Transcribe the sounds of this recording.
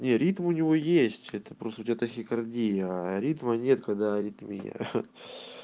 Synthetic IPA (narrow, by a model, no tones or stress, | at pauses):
nʲe̞ɾʲit̪mʊnʲɪvo̞jesʲtʲɛt̪ə̥pɾost̪ʊtʲat̪əxʲɪkɐrdʲijəaɾʲit̪mənʲe̞t̪kɐɡd̪aɾʲit̪mʲij̰